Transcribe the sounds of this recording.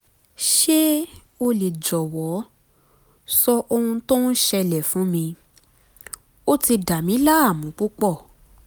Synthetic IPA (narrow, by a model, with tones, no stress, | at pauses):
ʃe˦ | o˧le˨d͡ʒɔ˨wɔ˨˦ | sɔ˧ʔo˧hũ˧to˦n̩˦ʃɛ˧lɛ˨fũ˨˦mĩ˧ | o˦ti˧da˨mĩ˨˦la˦a˦˨mũ˨˦k͡pu˦k͡pɔ˦˨